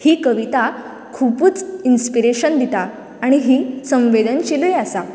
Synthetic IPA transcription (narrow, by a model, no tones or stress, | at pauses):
hiːkəʋit̪a | kʰupuːt͡sinspiɾeɕənd̪it̪a | aɽ̃iɦiːsə̃mʋed̪ʱənɕelujasa